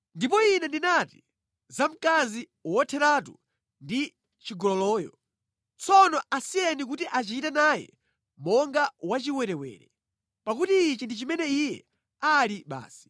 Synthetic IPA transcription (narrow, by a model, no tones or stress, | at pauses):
ndip̬ɔinɛndinati̥ | zam̩kazi | wɔtʰɛɾatṵ | ndi | t͡ʃiɡɔlɔlɔːjɔ̰ | t͡sɔnɔasijɛnik̬utiʔat͡ʃitɛnajɛ̰ | mɔŋɡawat͡ʃiwɛɾɛwɛ̰ːɾɛ | pakutiːt͡ʃindit͡ʃimɛnɛijɛ̰ | aliɓa̰ːsi̥